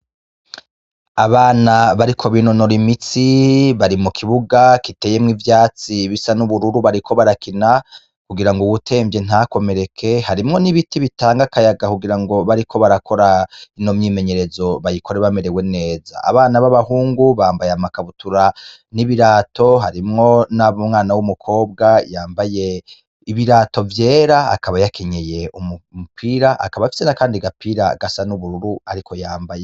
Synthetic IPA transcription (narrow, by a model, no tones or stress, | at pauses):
aβaːnaβaɾikʰo̞βino̞no̞ɾimit͡siβaɾimukʰiβuɡakite̞ːje̞mŋivjaːt͡siβisanuβuɾuɾuβaɾikʰo̞βaɾakina | kuɡiɾaŋɡoβutʰe̞ːɱvje̞n̥ako̞me̞ɾe̞kʰe̞haɾimŋo̞niβitiβitaːŋɡakajaɡakuɡiɾaŋɡo̞βaɾikʰo̞βaɾakʰo̞ɾaino̞mɲiːme̞ɲe̞ɾe̞zo̞βajiko̞ɾeβame̞ɾe̞we̞ne̞ːza̰a̰βaːnaβaβahuːŋɡuβaːmbajeamakaβutuɾa | niβiɾaːto̞ɦaɾimŋo̞naβomŋaːnawumukʰo̞ːb̚ɡajaːmbaje̞ | iβiɾaːto̞vje̞ːɾa̰ːkaβajakʰeɲe̞je̞ʔumumupʰiːɾaʔa̰kaβajafise̞nakaːndiɡapiːɾa̰ɡasanuβuɾuɾuaɾikʰo̞jaːmbaje